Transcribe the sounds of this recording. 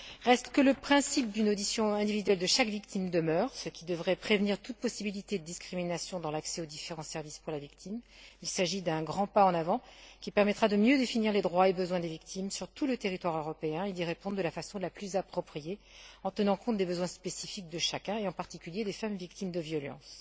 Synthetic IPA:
ʁɛst̪kələpχɛ̃sip̚d̪ynod̪isjɔ̃ɛ̃d̪ivid̪ɥɛld̪əʃakvikt̪imd̪əmœːʁsəkʲid̪əvʁɛpχevniʁt̪ut̪̚pɔsibilit̪ed̪əd̪iskχiminasjɔ̃d̪ɑ̃laksɛod̪ifeʁɑ̃sɛʁvispuʁlavikt̪ʰim | ilsaʒid̪ɛ̃ɡʁɑ̃paɑ̃navɑ̃kʲipɛʁmɛt̪χad̪əmjød̪efiniʁled̪ʁwaebəzwɛ̃d̪evik̚t̪ʰimsyʁt̪ulət̪eʁit̪waʁøʁɔpeɛ̃ed̪iʁepɔ̃d̪ʁd̪əlafasɔ̃laplyzapχɔpχije | ɑ̃t̪ənɑ̃kɔ̃t̪̚d̪ebəzwɛ̃spesifik̚d̪əʃakʲɛ̃eɑ̃paʁt̪ikʲyljed̪efamvik̚t̪imd̪əvjɔlɑ̰̃s

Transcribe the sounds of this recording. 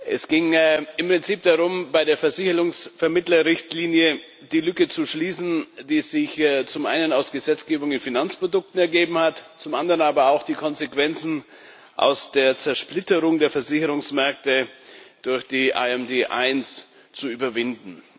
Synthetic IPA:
ʔɛsɡ̥ɪŋɪmpʁ̥ɪnt͡siːpd̥aʁʊmbaɪɾdeːɐfɛɐzɪçəʁʊŋsfɛɐmɪtlɐʁɪçtliːnjə | d̥iːlʏkət͡suʃliːsn̩d̥iːz̥ɪçt͡sʊmʔa̰ɪnənaʊsɡ̥əzɛt͡sɡ̥eːbʊŋɪnfinant͡spʁ̥odʊk̚tn̩ɛɐɡeːbm̩hatt͡sʊmʔandəʁənaːbɐaʊxd̥iːkʰɔnzekv̥ɛnt͡sn̩ | ʔa̰ʊsd̥eːɐt͡sɛɐʃplɪtəʁʊŋdeːɐfɛɐzɪçəʁʊŋsmɛɐk̚təd̥ʊɐçd̥iːʔa̰ɛmdeːʔa̰ɪns | t͡suyːbɐvɪndn̩

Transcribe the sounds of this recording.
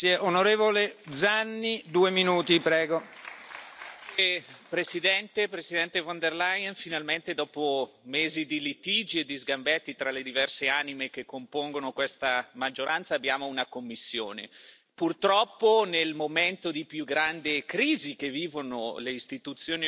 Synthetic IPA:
eʔonoɾeːvoled̪zanːid̪uːeminuːt̪ipɾɛːɡo | pɾesid̪ɛnt̪epɾesid̪ɛnt̪efond̪erlajnfinalment̪ed̪ɔːpomeːzid̪ilit̪id͡ʒied̪izɡambɛt̪ːit̪ɾaled̪ivɛrseanimek̟ekːompoŋɡonokwest̪amad͡ʒːoɾant̪saːbːjaːmounakomːisːjo̰ːnḛ | purt̪ɾɔpːonelmoment̪od̪ipjuɡɾand̪ekɾiːzikevːiːvono̰leist̪it̪ut̪sːjoːni

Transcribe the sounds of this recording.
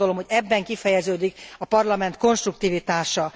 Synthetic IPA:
o̞lo̞mhoɟɛbːɛŋkifɛjɛzøːd̪ikɒpɒrlɒmɛnt̪ko̞nʃt̪ruk̚t̪iːvit̪aːʃɒ

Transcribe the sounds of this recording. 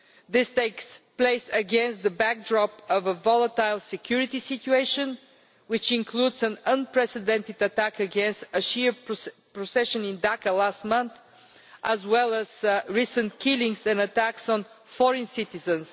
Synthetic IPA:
ðɪst̪eɪkspleɪsəɡɛ̃nst̪̚ðəbæk̚dɹɔpʌvəvɔlˠət̪aɪlˠsɛkʰjʊɹɪt̪isɪtueɪʃə̃n | wɪt͡ʃɪ̃nkʰlud̪zə̃nə̃npɹɛsɪd̪ɛ̃nt̪ɪd̪ət̪ækəɡɛ̃nst̪əʃipɹɔsɛʃə̃nɪ̃nd̪akəlast̪mʌ̃nθ | ʔəzwɛlˠəzɹisə̃ntkʰɪlɪ̃ŋsɛ̃nət̪æksɔ̃n | fɔɹɨ̃nsɪt̪ɪzə̃ns

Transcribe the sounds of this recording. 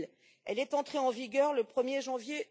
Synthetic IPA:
l | ɛlɛt̪ɑ̃t̪χeɑ̃viɡʲœʁləpχəmjeʒɑ̃vje

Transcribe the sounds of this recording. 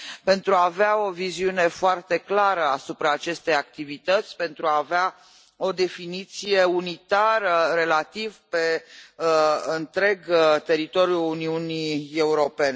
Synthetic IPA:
pe̞nt̪ɾuaːveao̞viziune̞foart̪e̞klaɾəasupɾaːt͡ʃe̞st̪e̞jak̚t̪ivit̪ət̪sʲpe̞nt̪ɾuaːvea | o̞d̪e̞finit̪sijeunit̪aɾəɾe̞lat̪ivpe̞ | ɨnt̪ɾe̞ɡt̪e̞ɾit̪o̞ɾjuːniunie̞uɾo̞pe̞ne

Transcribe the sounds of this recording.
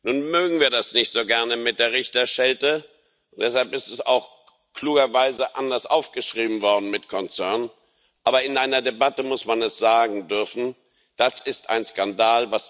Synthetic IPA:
nuːnmøːɡŋ̩viːɐdasnɪçtz̥oːɡɛɐnəmɪt̚d̥eːɐʁɪçtɐʃɛltə | ʊnd̥ɛshalpɪstɛsa̰ʊx | kʰl̥uːɡɐvaɪzəʔandɐsʔaʊfɡ̥əʃʁ̥iːbm̩vɔɐdn̩mɪtkʰɔnt͡sɛɐn | ʔaːbɐɪnʔaɪnɐdebatəmʊsmanɛsz̥aːɡŋ̩dʏɐfn̩ | d̥asɪstʔa̰ɪnskandaːlvas

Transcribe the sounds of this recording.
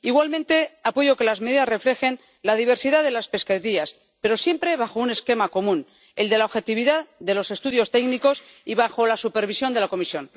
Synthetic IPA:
iɣwalmẽ̞nt̪e̞apo̞ʝo̞ke̞lazme̞ðiðasre̞fle̞xe̞n | lað̞iβ̞e̞ɾsiðaðe̞laspe̞skeɾias | pe̞ɾo̞sje̞mpɾe̞βaxo̞une̞ske̞mako̞mũn | e̞ld̪e̞laoβxe̞t̪iβ̞iðaððe̞lo̞se̞st̪uðjo̞st̪eɡniko̞s | iβaxo̞lasupe̞ɾβisjo̞nd̪elako̞misjo̞n

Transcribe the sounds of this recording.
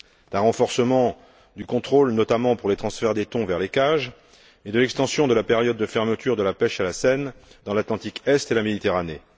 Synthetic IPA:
d̪̥ɛ̃ʁɑ̃fɔʁsəmɑ̃ | d̪ykɔ̃t̪χolnɔt̪amɑ̃puʁlet̪χɑ̃sfɛʁd̪et̪ɔ̃vɛʁlekaʒ | ed̪əlɛkst̪ɑ̃sjɔ̃d̪əlapeʁjɔd̪̚ːəfɛʁmət̪yʁd̪əlapɛʃalasɛnd̪ɑ̃lat̪lɑ̃t̪ikɛst̪elamed̪it̪eʁane

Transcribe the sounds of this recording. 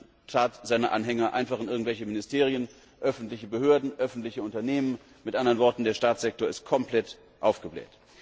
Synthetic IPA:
tʰaːtz̥aɪnɐʔa̰nɦɛŋɐʔa̰ɪnfaχɪnʔɪɐɡŋ̩tvɛlçəmɪnɪstʰeːʁ̞iən | ʔœfn̩tlɪçəbəhøːɐdn̩ʔœfn̩tlɪçəʊntɐneːmən | mɪtʔandɐʁənvɔɐtn̩deːɐʃtaːtt͡sz̥ɛk̚toːɐɪst̚kʰɔmplɛt | ʔaʊfɡ̥əblɛ̰ːt

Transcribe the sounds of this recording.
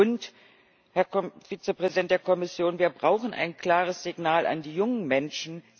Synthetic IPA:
ʊnt | hɛɐfiːt͡səpʁ̥ɛzidɛnt̚d̥eːɐkʰɔmɪsjoːnviːɐbʁaʊxn̩ʔa̰ɪnkl̥aːʁ̞əsz̥ɪɡnaːlʔa̰ndiːjʊŋənmɛnʃn̩

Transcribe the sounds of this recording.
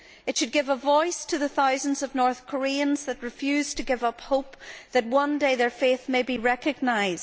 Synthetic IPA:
ɨtʃɨd̚ɡɪvəvɔɪstʰɨðɨθaʊzn̩dzʌvnɔɹθkʰə˞iə̃nz̥ðɨt̚ɹɨfjʉz̥tʰɨɡɪvʌphoʊp̚ðɨt̬̚wʌ̃ndeɪðə˞feθmeɪbiɹɛkɨɡ̚naɪzd

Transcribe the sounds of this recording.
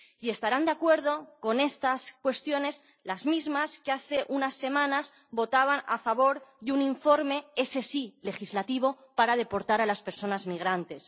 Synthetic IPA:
ie̞st̪aɾand̪eakwe̞ɾð̞o̞ko̞ne̞st̪askwe̞st̪jo̞ne̞s | lazmizmaskeaθe̞ʔunasːe̞mãnaz | bo̞t̪aβ̞ana̰faβo̞ɾðeuniɱfo̞ɾme̞esesile̞xizlat̪iβ̞o̞ | paɾaðe̞po̞ɾt̪aɾalaspe̞ɾso̞nazmiɣ̞ɾant̪e̞s

